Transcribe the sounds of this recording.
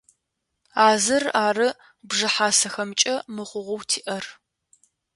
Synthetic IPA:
aːzɐraːrɨ | bʐɨħaːsɐxɐmt͡ʃʼɐmɨʁʷʊʁʷʊwtʰiːʔɐr

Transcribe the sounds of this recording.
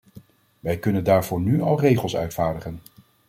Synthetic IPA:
ʋɛjkɵnəndaːɹvʊːɹnyɑlˠrejχəlˠsœ̰ɥtfaːɹdəχən

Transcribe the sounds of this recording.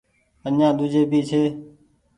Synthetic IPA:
ənãːɗ̪ʊd͡ʒeːbʱiːt͡ʃʰeː

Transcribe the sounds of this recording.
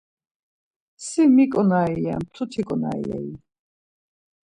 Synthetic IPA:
simikʼɔnaia̰mt̪ʰut̪ʰikʼɔna̰ḭɛ̰i

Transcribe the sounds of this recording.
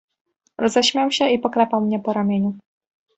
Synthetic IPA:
ɾɔzɛɕmʲjawɕɛʔipɔkɾɛpawmɲɛpɔɾamʲjɛɲu

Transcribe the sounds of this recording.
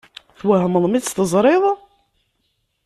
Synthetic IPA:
θwæɦəməðˤmist̪əzˤɾˤeðˤ

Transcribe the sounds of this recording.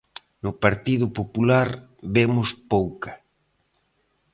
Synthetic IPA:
nʊpaɾt̪ið̞ʊpopulaɾβemʊspowka

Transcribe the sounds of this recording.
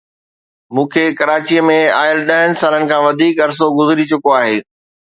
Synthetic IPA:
mũːkʰeːkɐɾaːt͡ɕijəmẽaːjəlɗɐɦənɪ̆saːlənɪ̆kʰãːʋɐd̪ʱiːkɐɾs̬oɡʊzɪɾit͡ɕʊkoaːɦeː

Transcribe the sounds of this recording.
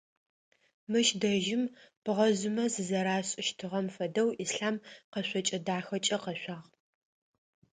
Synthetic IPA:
mɨʃdɐʒɪmb̥ɨʁɐzʊmɐzɨzɐɾaːɕʼɪʃtʰɨʁɐmfɐdɐwʔisɬaːmqɐɕʷɔt͡ʃʼɐdaːxɐt͡ʃʼɐqɐɕʷaːʁ

